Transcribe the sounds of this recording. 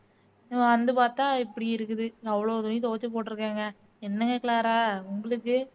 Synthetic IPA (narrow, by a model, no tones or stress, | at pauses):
ɪɐ̃ʋɐnd̪ɯpaːɾt̪ãːɪpːɐɽiɪɾɯkːɯðɯɐʋɐɭoːðʊnit̪oːɐt͡ʃːɯpoːʈːɪɾɯkːaːŋɡɐ | ɛnːɐŋɡɐkɪlaːɾaːʊŋɡɐɭɯkːɯ